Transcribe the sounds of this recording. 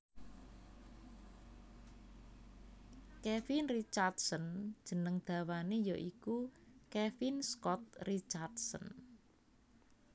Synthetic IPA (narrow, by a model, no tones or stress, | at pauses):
kɛfinrit͡ʃard̪sɔn̥ʒ̥ə̤nəŋd̪̥ä̤wanejɔʔikukɛfinskɔt̪̚rit͡ʃard̪sɔ̰n